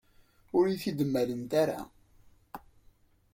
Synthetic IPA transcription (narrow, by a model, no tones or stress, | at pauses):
ʊɾiθid̪əmːælənt̪aɾa̰